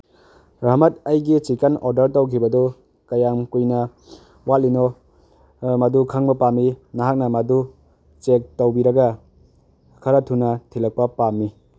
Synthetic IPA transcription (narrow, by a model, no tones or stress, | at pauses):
ɾaɦmɐtajɡit͡ʃikanɔɾdɐɾtawkʰibɐdɔ | kɐjamkujnɐ | walinɔ | mɐdukʰaŋbɐpamːinaɦak̚nɐmɐdu | t͡ʃek̚tawbiɾɐɡa | kʰɐɾatʰunɐtʰilɐk̚pɐpamːi